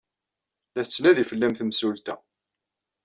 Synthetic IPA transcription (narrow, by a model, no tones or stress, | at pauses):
læθət͡sːnæðifəlːæmθəmsult̪æ